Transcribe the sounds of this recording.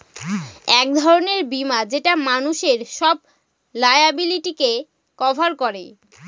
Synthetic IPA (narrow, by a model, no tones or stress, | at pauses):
ɛk̚d̪ʱɔɾoneɾbimad͡ʑeʈamanuʃeɾʃɔb̚ | lajabiliʈike | kɔbʱaɾkɔɾḛ